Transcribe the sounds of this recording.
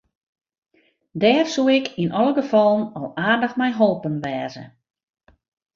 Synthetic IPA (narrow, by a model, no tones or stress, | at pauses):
dɛːrsuɪkʰinʔɔlˠəɡəfɔlˠənɔlˠaːrdəxmɛjɦolˠpənʋɛːzə̰